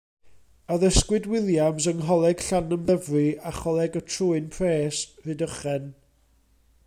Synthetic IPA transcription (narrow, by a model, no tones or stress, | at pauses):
əðəskwɨdwɪlˠjamsəŋɦɔlˠɛɡ̥ɬanəmðəvriaχɔlˠɛɡətʰruːɨnpʰreːsvɨːdəχɛn